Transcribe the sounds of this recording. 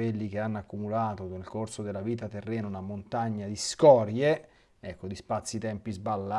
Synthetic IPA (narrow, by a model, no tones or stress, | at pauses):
elːik̟eanːakːumulaːt̪onelkorsod̪elːaviːt̪at̪erːɛːnounamont̪aɲːad̪iskɔːɾje | ɛkːod̪ispat̪sːit̪ɛmpizbalːa